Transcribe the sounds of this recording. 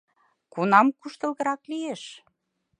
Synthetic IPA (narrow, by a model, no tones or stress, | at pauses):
kunɑmkuʃt̪ə̆lɣə̆ɾɑklijeʃ